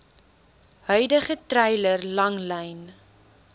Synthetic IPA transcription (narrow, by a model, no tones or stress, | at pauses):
hœɥdəχətrɛjlərlɐŋlɛjn